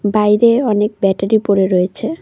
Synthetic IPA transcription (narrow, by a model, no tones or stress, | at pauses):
bajɾeɔnek̚bɛʈaɾipoɾeɾɔet͡ɕʰe